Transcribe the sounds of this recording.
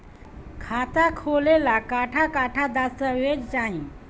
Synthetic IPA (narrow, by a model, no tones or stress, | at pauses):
kʰat̪akʰolelakaʈʰakaʈʰad̪asəʋed͡ʑd͡zaɦĩ